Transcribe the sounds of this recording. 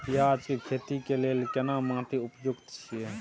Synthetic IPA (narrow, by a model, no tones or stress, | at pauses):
p̪ijaːd͡ʒkikʰeːt̪ikeleːlkənamãːt̪iʊpjʊɡt̪t͡ʃʰie